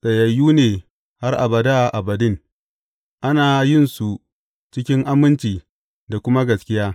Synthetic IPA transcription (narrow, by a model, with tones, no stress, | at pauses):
sɐ˨jɐ˨jːuː˦neː˨ | ha˦rʔa̰˨bɐ˨da˦˨ʔa˨bɐ˨dɪ˦˨ŋ | ʔa˦naː˨jɪ˦˨nsu˨ | t͡ʃɪ˦kʲɪ˦ŋʔa˦mɪ˦nt͡ʃiː˨ | da˨kʷʊ˦ma˦ɡɐ˨skʲɪ˦jaː˦